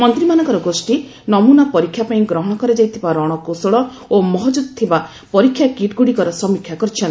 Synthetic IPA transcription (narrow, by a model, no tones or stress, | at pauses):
mɔnt̪ɾimanɔ̃ŋkɔɾɔɡosʈi | nɔmunapɔɾikʰːjapaĩɡɾɔɦɔɽ̃ɔkɔɾed͡ʒajt̪ʰibaɾɔɽ̃ɔkosɔɭɔ | omɔɦɔd͡ʒud̪̚t̪ʰiba | pɔɾikʰːjakiʈɡuɽikɔɾɔsɔmikʰjakɔɾit͡ʃʰɔn